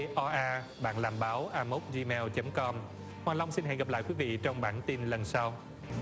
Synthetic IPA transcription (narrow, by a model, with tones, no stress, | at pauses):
ʔɔ˧ʔaː˧ | ɓa̰ː˧˨nlaː˨˩mɓaː˨˦wʔaː˧mo˦˥k͡p̚zi˧mɛ˧wt͡ɕə˨˦mkɔ˧m | hwaː˨˩la˧wŋ͡msi˧nɦɛ̰˧˨ŋɣə˨˩p̚la̰ː˧˨jkwi˨˦vḭ˧˨t͡ɕɔ˧wŋ͡mɓa̰ː˧˩nt̪i˧nlə˨˩nsa˧w